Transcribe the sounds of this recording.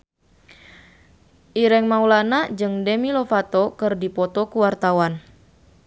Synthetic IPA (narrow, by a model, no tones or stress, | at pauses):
ʔiɾɛŋmaulanad͡ʒɨŋdemilofat̪ɔkɨrdipɔt̪ɔkuwart̪awan